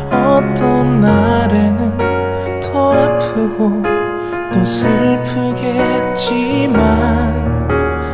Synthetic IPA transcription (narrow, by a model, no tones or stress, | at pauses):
ʌt͈ʌnːaɾenɯn | tʰʌɾapʰɯɡo | t̪osʰɯpʰɯɡe | t͡ɕ͈imann